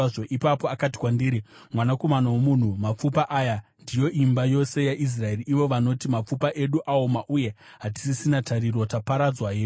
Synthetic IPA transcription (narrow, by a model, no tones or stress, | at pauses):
ʐoʔipapoakat̬i̥kwandiːɾimwanako̞manawomun̤umap͡fupaʔaːjandijo̞ʔimbajo̞se̞jaʔis̬rae̞riʔiʋo̞ʋano̞timap͡fupaʔe̞ɗuʔaomaʔuje̞ɦat̬i̥sisinatʰaɾirwotapaɾad͡zwaɦeː